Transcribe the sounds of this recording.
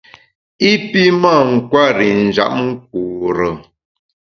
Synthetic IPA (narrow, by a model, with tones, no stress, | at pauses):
i˦pi˦ma˦˨ŋ̩˨kwa˦ɾi˨n˨d͡ʒa̰˦˨ʔp̚ŋ̩˦k̚uː˨ɾə˨